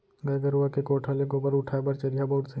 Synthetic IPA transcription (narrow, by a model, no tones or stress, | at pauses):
ɡɐɡəɾuʋakekoːʈʰaːlẽkobɐɾʊʈʰaːebɐɾt͡ʃɐɾijaboʊʈse